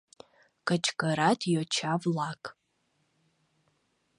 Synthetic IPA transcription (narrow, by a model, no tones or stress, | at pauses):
kʼat͡ʃʰʼɡaɾatʰjot͡ʃʰavlakʼ